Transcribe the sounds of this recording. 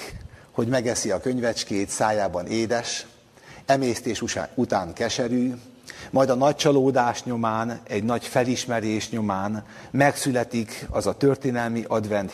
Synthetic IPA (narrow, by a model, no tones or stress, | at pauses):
ho̞ɟmɛɡɛsiɒkø̞ɲvɛt͡ʃkeːt̪saːjaːbɒneːd̪ɛʃ | ɛmeːst̪eːʃut̪aːŋkɛʃɛɾy | mɒjd̪ɒnɒc̚t͡ʃɒloːd̪aːʃɲo̞maːnɛɟnɒɟfɛliʃmɛɾeːʃɲo̞maːn | mɛksylɛt̪ikɒzɒt̪ø̞rt̪eːnɛlmiʔɒd̪vɛnt̪